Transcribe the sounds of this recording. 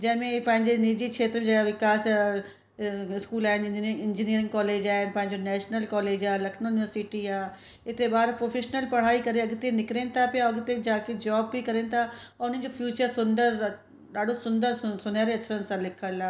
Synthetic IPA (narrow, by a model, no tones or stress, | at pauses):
d͡ʒɛːmẽpə̃ɦɪ̃ɲd͡ʒenid͡ʒiːkʃʰeːt̪ɾəẽd͡ʒʋɪkaːs | ɪskuːlaːnɪɪnd͡ʒiniːəɾɪ̃ŋɡkɔːleːd͡ʒaːnpɐ̃ɦɪ̃ɲd͡ʒoːnɛːʃnəlkɔːleːd͡ʒaːlɐkʰnʊnɪʋəɾsɪʈiːaː | ɪt̪ebaːɾpɾoːpʰeːʃnəlpɐɽ̤aːikəɾeɐɡt̪enɪkɾẽːnt̪ʰaːpɪjaɐɡt̪ed͡ʒaːked͡ʒɔːbːikəɾẽːnt̪ʰaɔʊnə̃d͡ʒoːpʰjuːt͡ʃəɾsʊnd̪əɾ | daːɖosʊnd̪əɾsʊnaːɾeɐːʃʰəɾənsãlɪkʰəlaː